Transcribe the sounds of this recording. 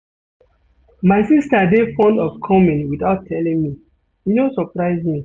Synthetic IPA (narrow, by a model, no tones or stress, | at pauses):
maɪsistadefɔ̃ndɔfkʰɔmĩnwiθaʊtʰɛlĩŋmi | jinosɔpɹaɪzĩ